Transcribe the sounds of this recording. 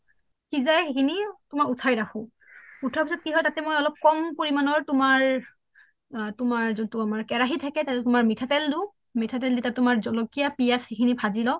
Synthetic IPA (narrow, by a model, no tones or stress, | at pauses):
kizajxekʰinitʊmaɹutʰajɹaxʰʊ̃ | utʰapisɔt̚kiɦɔjtatɛmojɔlɔp̚kɔmpoɹimanɔɹtʊmaɹ | tʊmaɹzuntuamaɹkɛɹaɦitʰakɛtatɛtʊmaɹmitʰatɛldu | mitʰatɛlditatʊmaɹzɔlokijapijasxekʰinipʰazilɔ